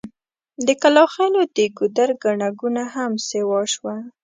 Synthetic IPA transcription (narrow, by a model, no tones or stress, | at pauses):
d̪əkalɑxɑnod̪əɡud̪aɾɡaɳaɡunahamsewɑʃwa